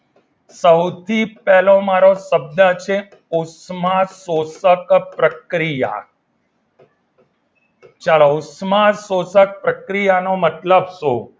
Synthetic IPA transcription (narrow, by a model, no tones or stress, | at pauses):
səwt̪ʰipɛɦlomaɾosəb̚d̪ət͡ʃʰe | ʊsmasosəkpɾəkɾija̰ | t͡ʃaɭousmasosək̚pɾəkɾijanomət̪ləbso